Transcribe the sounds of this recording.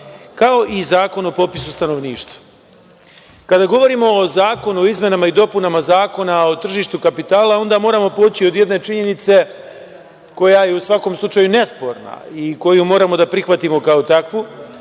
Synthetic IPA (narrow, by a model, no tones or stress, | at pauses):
kao̞ʔizaːko̞nopo̞pisust̪ano̞ʋniːʃt̪ḁ | kad̪aɡo̞ʋo̞ɾimo̞ːzaːko̞nuoizmenamaid̪o̞punamazaːko̞nao̞t̪r̩ʒiːʃt̪ukapit̪aːlao̞nd̪amo̞ːɾamo̞poːt͡ɕio̞d̪je̞d̪ne̞t͡ʃiɲe̞nit̪se̞ | ko̞jajeusʋako̞mslˠut͡ʃajune̞spo̞ɾna̰iko̞jumo̞ːɾamo̞d̪apɾixʋat̪imo̞kaot̪akʋu